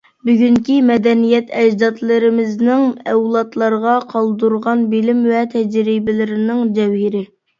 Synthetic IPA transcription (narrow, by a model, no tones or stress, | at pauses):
byɡʲyŋkʲimɛd̪ɛnijɛt̪ʰɛd͡ʒd̪ɑt̪lˠɨɾɪmɪznɪŋɛwlˠɑt̪lˠɑɾʁɑqʰɑlˠd̪uɾʁɑnbɪlɪmvɛt̪ʰɛd͡ʒɾɪbɪlɪɾɪnɪŋd͡ʒ̪ɛwhɪɾɪ